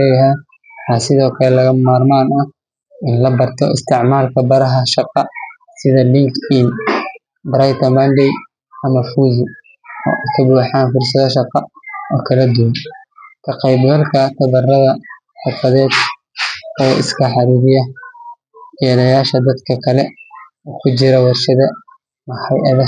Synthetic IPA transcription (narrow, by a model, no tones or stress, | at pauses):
ɛjɦɛ | ħasɪðɔːkʰɐlɛlɐɣɐmaːrmaːnɐh | ɪnlɐbɐrt̪ʰɔɪ̰st̪ʰɪʕmaːlkʰɐbɐɾɐɦɐʃɑqɑ | sɪðɐlɪŋkʰɪn | bɾajt̪ʰɐbɐnɖɛj | ɐmɐfuːzʊ | ɔ̰ːʔkʰɐbuːħaːnfʊrs̬ɐðɐʃɑqɑɔːkʰɐlɐd̪uwɐnkʰɐqɛjbɡɐlkʰɐt̪ʰɐβɐrɐðɐ | ħʊfɐðɛːd̪ | ɔːʔɪ̰skʰɐħɑɾiːɾɪjɐ | jɛːlɐjaːʃɐd̪ɐd̪kʰɐkʰɐlɛ | ɔːkʰʊt͡ʃɪɾɐwɑrʃɐðɐ | mɐħɑjʔɐðɐ